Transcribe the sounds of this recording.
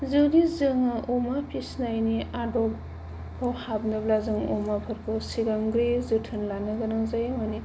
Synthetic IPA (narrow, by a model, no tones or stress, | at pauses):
zɯwdizɯŋɯʔumapisnajniadɔpː | awhabnɯblazɯŋumapʰɯɾkʰɯsiɡamɡɾizɯtʰɯnlanɯɡɯnɯŋzajamani